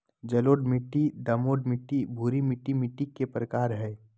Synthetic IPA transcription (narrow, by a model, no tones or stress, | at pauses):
d͡ʒəloɖmɪʈːid̪əmoːɖmɪʈːibʱuːɾimɪʈːimɪʈikːepɾəkaːɾɦɛː